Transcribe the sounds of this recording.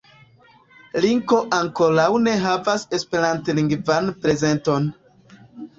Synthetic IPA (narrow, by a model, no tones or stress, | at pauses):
liŋko̞ʔaŋko̞ɾawne̞ɦavase̞spe̞ɾantliŋɡvanpɾe̞ze̞nto̞n